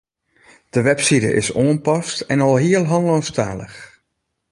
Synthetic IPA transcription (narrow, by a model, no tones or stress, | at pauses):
d̥əʋɛpsiɾə̰ʔɪ̰soənpɑstɛnɔlˠɦiəlˠɦɔnlɔnstaːlə̰x